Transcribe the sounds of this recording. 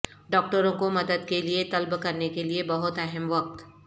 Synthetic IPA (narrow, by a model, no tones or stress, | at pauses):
ɖɔːk̚ʈəɾõkomɐd̪əd̪keliet̪ɐlbkɐɾnekeliebɐɦʊt̪ɛɦəmʋɐk̚t̪